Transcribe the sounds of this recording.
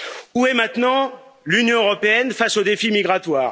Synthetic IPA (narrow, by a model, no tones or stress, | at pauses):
uɛmɛ̃t̪nɑ̃lynjɔ̃øʁɔpeɛnfasod̪efimiɡʁat̪waːʁ